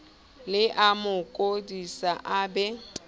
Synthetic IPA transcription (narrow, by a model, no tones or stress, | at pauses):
lɪʔamʊkʼodisaʔabɛ